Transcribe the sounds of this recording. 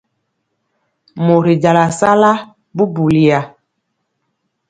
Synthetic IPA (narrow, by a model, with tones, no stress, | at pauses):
mo˨ɾi˨d͡ʒa˨la˨sa˦la˦ | bu˦bu˨li˨a˨